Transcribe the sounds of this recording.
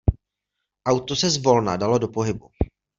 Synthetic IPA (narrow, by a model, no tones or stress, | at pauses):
ʔawt̪o̞sɛzvo̞lnadalo̞do̞po̞ɦɪbu